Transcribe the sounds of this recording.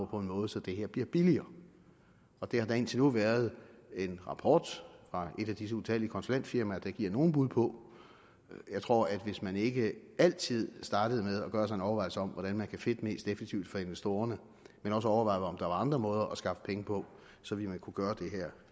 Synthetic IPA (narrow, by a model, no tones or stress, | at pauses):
pʰɒ̽e̝nmɔ̽ːð̞̩ˠsɒ̽d̥e̝ɦeæɐ̰b̥liɐb̥iliɐː | ɒ̽d̥e̝hɑ̈dæ̈e̝ːnt͡sʰe̝nuʋæːɐð̞̩ˠe̝nʁɑ̈pʰɒ̰ːd̥fʁɑ̈e̝ɾ̥æd̥is̬əuðˠt͡sʰæliəkʰɒ̽nsolæn̰d̥fiɐmææd̥ɑ̈ɡ̥iɐ̰no̝ːn̩b̥uðˠpʰɒ̽ | jɑ̈ɪt͡sʰʁo̝ɐ̰æd̥ʋe̝smæne̝ɡ̥əæl̰t͡sʰið̞̰ˠsd̥ɑ̈ːd̥əð̞̩ˠmeð̞ˠɒ̽ɡ̥ɶːɐs̬ɑ̈ɪ̝nɒʊɐɑ̈ɪlsəɒ̽m̰ʋɒɾ̥ænmænkʰæfe̝d̥əme̝̰ːsd̥efe̥t͡sʰiʊ̰d̥fɒ̽e̝nʋesd̥o̝̰ːɐnə | menɒ̽s̬əɒʊɐʋɑ̈ɪðˠɒ̽md̥ɑ̈ʋɑ̈ɑ̈nd̥ʁɐmɔ̽ːð̞ˠɐʔɒ̽sɡ̥ɑ̈fə̥pʰeŋəpʰɒ̽ | sɒ̽ʋimænkʰuɡ̥ɶːɐd̥e̝ɦæɐ̰